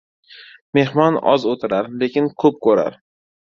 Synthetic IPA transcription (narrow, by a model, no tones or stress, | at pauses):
me̞hmɒnɒ̰zot̪ʰɪɾaɾle̞kʲɪnkʰɵp̚kʰɵɾa̰ɾ